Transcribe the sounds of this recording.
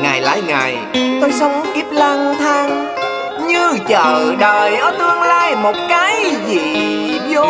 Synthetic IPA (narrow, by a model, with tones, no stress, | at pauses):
ŋaː˨˩jla̰ː˧˥jŋaː˨˩j | t̪o˧jsə˨˦wŋ͡mʔi˦˥p̚laː˧ŋt̪ʰaː˧ŋ | ɲɨ˧t͡ɕə̰ː˧˨ɗəː˨˩jʔəː˧t̪ɨ˧əŋlaː˧˩jmo˨˩t̚kaː˨˦jzḭ˧˨ | zo˧˦